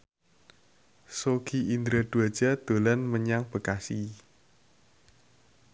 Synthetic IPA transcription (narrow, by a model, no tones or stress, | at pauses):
soɡiind̪ɾəd̪̥uad̥ʒ̥ad̪̥o̤lanməɲaŋb̥ə̤kasi